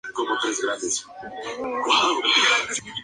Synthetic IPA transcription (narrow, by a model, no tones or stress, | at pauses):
komot̪ɾezɣɾãnd̪es | kwaw